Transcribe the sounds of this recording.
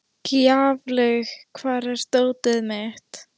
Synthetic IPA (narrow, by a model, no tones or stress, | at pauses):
kjaːvlœɣkʰvaːɾɛɾ̥st̪oːwt̪ɪðmɛht̪